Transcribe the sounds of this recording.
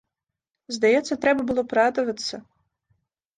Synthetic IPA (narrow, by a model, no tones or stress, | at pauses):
zd̪ajɛt̪sːɐt̪ɾɛbɐbɨlˠɔpɾad̪ɐvɐt̪sɐ